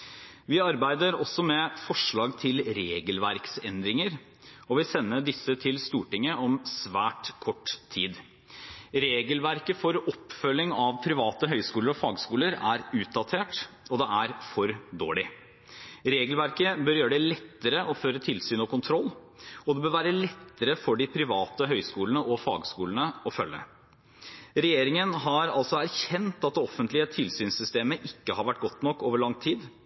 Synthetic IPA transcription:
ʋɪɑɾbæɪd̪əɾɔsːɔmɛfɔʂɭɑːɡt̪ʰɪlɾeːɡəlʋæɾksɛnd̪ɾɪŋəɾ | ɔʋɪsɛnːəɖɪsːət̪ʰɪlst̪uːʈɪŋːəɔmsʋæːʈkʰɔʈːt̪ʰːiːd̪ | ɾeːɡəlʋæɾkəfɔɾɔpːfœlːɪŋɑʋpʰɾɪʋɑːt̪əɦœʏskuːləɾɔfɑːɡskuːləɾæɾʉːt̪̚d̪ɑt̪ʰeːʈ | ɔd̪ɛæɾfɔɾd̪o̰ːɭɪ | ɾeːɡəlʋæɾkəbœɾjøːɾəɖɛlɛt̪ːəɾəʔɔføːɾət̪ʰɪlsyːnɔkʰʊnt̪ʰɾɔlː | ɔd̪ɛbøːɾʋæːɾəlɛt̪ːəɾəfɔɖɪpʰɾɪʋɑːt̪əɦœʏskuːlənəʔɔfɑ̰ːɡskuːlənəɔfœlːə̰ | ɾɛjeːɾɪŋənɦɑɾɑlsɔæɾçɛnt̪ɑt̪̚d̪ɛɔfːənt̪lɪət̪ʰɪlsyːnsʏst̪eːməʔɪkːəhɑɾʋæʈ̚ːɡɔt̪ːnɔkːoːʋəɭɑŋt̪ʰiːd̪

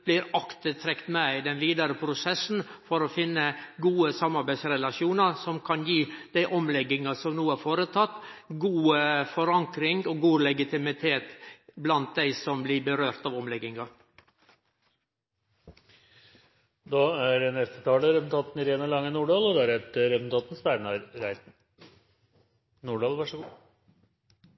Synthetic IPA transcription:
b̥lɪːɾɑkt̪ət̪ʰɾɛkt̪mæɪd̪ɛnʋiːd̪ɑɾəpʰɾʊsɛsn̩fɔɾɔfɪnːəɡuːəsɑmːɑɾbæɪsɾɛlɑʃjuːnɑɾsɔmkʰɑnjiːd̪̥æɪʔɔmlɛɡɪŋɑsɔmnuːæɾfoːɾət̪ʰɑt̪ːɡuːəfɔɾɑŋkɾɪŋɔɡuːlɛɡɪt̪ɪmɪt̪ʰeːt̪blɑnt̪̚d̪æɪsɔmblɪbəɾøːɾt̪ɑːʋɔmlɛɡɪŋɑ | d̪ɑːæɖɛnɛst̪ət̪ʰɑːləɾɛpl̩t̪ʰɑːt̪nɾeːnɑlɑŋːənuːɖɑːlɔd̪ɛæɾɛt̪əɾɛpl̩t̪ʰɑːt̪n̩spæɳɑɾɾæɪt̪n̩ | nuːɖɑːlʋɑʂəɡuː

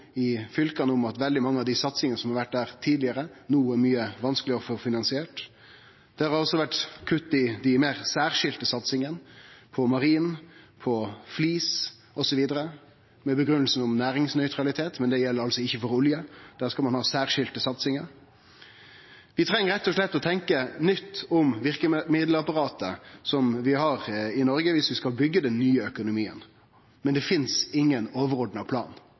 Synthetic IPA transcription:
ɪfʏlkɑnəʊmɑt̪ʋɛld̪ɪmɑŋːəɑʋd̪ɪsɑt̪sɪŋənəsɔmhɑɾʋæʈ̚d̪æːɾt̪ʰiːd̪lɪəɾənuːæɾmyːəʋɑnskəlɪɔfɔɾfɪnɑnsɪeːʈ | d̪̥ɛhɑɾhɑɾɔsːɔʋæʈkʰʉt̪ːɪd̪æmeːɾsæːʁʂɪlt̪əsɑt̪sɪŋənpʰɔmɑɾiːnpʰɔfliːs | ʔɔsɔʋiːd̪əɾə | mɛbəɡɾʉnəl̩sn̩ʊmnæːɾɪŋsnœʏt̪ɾɑlɪt̪ʰeːt̪mɛnd̪ɛjɛlːəɾɑlsɔɪçːəfɔɾʊljəd̪̥æːʁskɑlmɑnhɑːsæːʁʂɪlt̪əsɑt̪sɪŋəɾ | ʋɪt̪ʰɾɛŋːəɾɛt̪ːɔʂlɛt̪ːɔt̪ʰɛŋkənʏt̪ːʊmʋɪʁkəmɪd̪lɑpɑʁɑːt̪əsɔmʋɪhɑɾɪnɔɾɡəʋɪsʋɪskɑlbʏɡːəd̪ɛnːyːəœkʊnʊmiːə̰n | mɛnd̪ɛfɪnsɪŋːənoːʋəɾʁɔɖ̪nɑpʰlɑ̰ːn

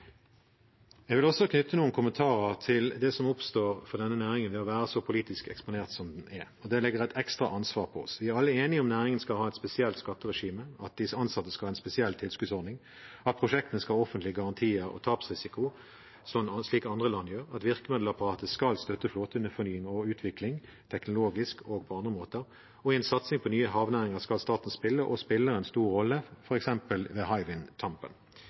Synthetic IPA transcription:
ɛɡʋɪlɔsːɔkʰnʉt̪ʰːənuːənkʰʊmənt̪ʰɑːʁəʁt̪ʰɪld̪ɛsɔmʊpst̪oːʁfɔʁd̪ɛnːənæːʁɪŋənʋɛɔʋæːɾəsɔpʰʊliːt̪ɪskɛ̰kspʊneːʁt̪sɔmd̪ɛnɛɔd̪ɛlɛɡəʁæt̪ɛkst̪ʁɑʔɑnsʋɑːʁpʰɔɔ̰sʋɪæʁɑlːəeːnɪɔmnæːɾɪŋənskɑlhɑːɛt̪spɛsɪɛlt̪skɑt̪ːəʁɛʂiːməɑt̪̚d̪ɪsəɑnsɑt̪ːəskɑlhɑːɛnspɛsɪɛlt̪ʰɪlskʉd̪sɔʁd̪nɪŋ | ɑt̪̚pʰʁʊʂɛk̚t̪ənəskɑɔfənt̪lɪəɡɑʁɑnt̪ʰiːəɾɔ̰t̪ʰɑːpsʁɪsɪkʊ | sɔmsliːkɑnd̪ʁəlɑnːjøːʁɑt̪ʋɪʁkəmɛd̪l̩ɑpɑʁɑːt̪əskɑlst̪œt̪ːəfloːt̪əʉnəfɔnyːɪŋɔʉːt̪ʰʋɪklɪŋ | t̪ʰɛknʊloːɡɪskʰoːɡ̚pʰɔɑnd̪ʁəmoːt̪əʁ | ɔɪɛnsɑt̪snɪŋpʰɔnyːəɦɑːʋnæːʁɪŋəʁskɑlst̪ɑːt̪n̩spɪlːəʔɔspɪlːəɾɛnst̪uːɾːɔlːəfɔʁɛksɛmpəlʋeːɦɑɪʋɪnt̪ʰɑmpə̰n

